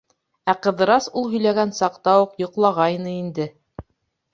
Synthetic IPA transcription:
æqɤ̆ðɤ̆ɾɑsulˠɦɵ̆jlæɡænsɑqt̪ɑuqjŏqlˠɑʁɑjnɤind̪ɘ

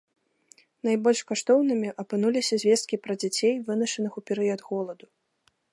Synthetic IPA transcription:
najbɔlʲʂkaʂt̪ɔwnɨmʲiʔɐpɨnulʲisʲɐzʲvʲɛst̪kʲipɾɐd͡zʲat͡sʲejvɨnɐʂɐnɨxupʲɛɾɨjɐd̪ɣɔlˠɐd̪u

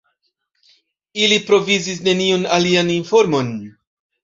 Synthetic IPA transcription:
ilipɾo̞vizis̬ne̞niunalianinfo̞ɾmo̞n

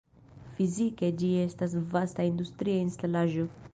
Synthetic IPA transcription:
fizike̞d͡ʒie̞stas̬vastaindustɾiainstalaʒo̞

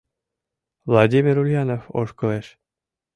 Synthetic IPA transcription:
vlˠɑdʲimʲiɾulʲjɑnofo̰ʃkoleʃ

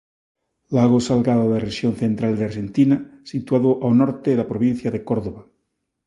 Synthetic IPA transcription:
laɣ̞osalɣaðoðereʃjon̟θent̪ɾald̪eaɾʃent̪inasit̪waðoʔawnɔɾt̪eðapɾoβin̟θjaðekoɾðoβa

